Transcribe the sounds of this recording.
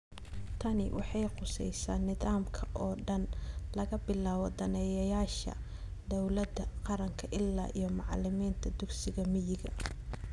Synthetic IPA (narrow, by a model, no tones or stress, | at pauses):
t̪ʰɐnɪwʔɑ̰ħɑjqʊsɛ̰jsa̰ːnːɪðaːmkʰɐʔɔːɖɐnlɐɣɐbɪlaːwɔd̪ɐnɛjɐjaːʃɐ̰ | d̪ɔwlɐd̪ɐqɑɾɐŋkʰɐʔɪlːa̰ːʔijɞmɑʕlɪmiːnt̪ʰɐd̪ʊɡsɪɣɐmɪjɪɣɐ